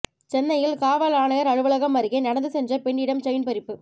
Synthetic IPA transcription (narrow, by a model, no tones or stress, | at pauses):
t͡ʃɛnːɐjɪlkaːʋɐlaːnɐɣɐɾɐɻɯʋɐlɐɣɐmːɐɾɪɣɐɪnɐɽɐnd̪ɯsɛndrɐpɛɳːɪɽɐmt͡ʃɐjnpɐɾɪpːɯ